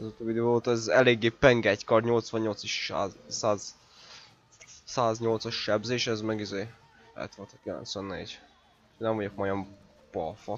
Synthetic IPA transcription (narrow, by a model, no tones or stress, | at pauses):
ɒzot̪ovid̪øooːt̪ɒɛzɛleːɡːeːpɛŋɡɛɟkɒrɲo̞lt̪sʋɒɲːo̞lt̪siʃa̰zsaːz | saːzɲo̞lt̪sɒʃʃɛbzeːʃɛzmɛɡizeː | ɛ̰t̪ʋolt̪ɒkilɛ̰nt̪sʋɛnːḛːɟ | nɛɱvɒɟo̞k̚mɒjɒm | b̥ɒ̰lfɒ